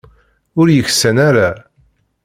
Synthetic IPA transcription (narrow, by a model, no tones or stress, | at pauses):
ʊɾjəçsənaɾa